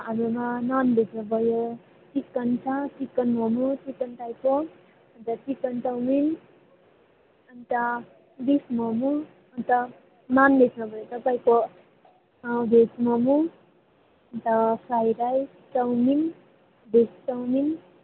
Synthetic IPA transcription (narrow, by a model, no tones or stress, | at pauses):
amumananbesʰnʌbʱʌjo | tikːʌnt͡sʰatikːʌnmʌmutikːʌnt̪ajko | ʌnt̪ʌtikːʌntʌwmin | ʌnt̪ʌ | bismʌmu | ʌnt̪ʌ | nanbesnʌbʱʌjot̪ʌpaĩko | besmʌmu | ʌnt̪ʌsajɾaj | tʌwmin | bestʌwmin